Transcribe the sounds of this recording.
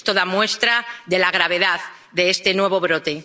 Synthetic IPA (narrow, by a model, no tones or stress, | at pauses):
t̪o̞ðamwe̞st̪ɾaðe̞laɣ̞ɾaβe̞ðað | ðeest̪e̞nwe̞β̞o̞β̞ɾo̞t̪e̞